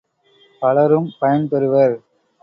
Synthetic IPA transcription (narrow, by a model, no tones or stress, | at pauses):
pɐɭɐɾɯmpɐjɐnpɛɾɯʋɐɾ